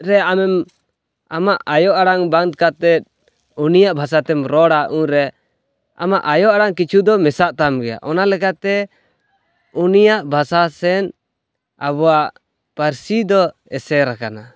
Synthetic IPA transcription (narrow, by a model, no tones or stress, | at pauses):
ɾɛamɛm | amaʔajɔʔaɽaŋbaŋd̪̚kat̪ɛt̪̚ | unijaʔbʱas̬at̪ɛmɾɔɽaʔũɾɛ | a̰maʔajɔʔaɽaŋkit͡ʃʰud̪ɔmɛsaʔt̪amɡɛja̰ʔɔnalɛkat̪ɛ | unijaʔbʱasasɛn | aβɔwaʔ | paɾsid̪ɔ | ɛsɛɾakana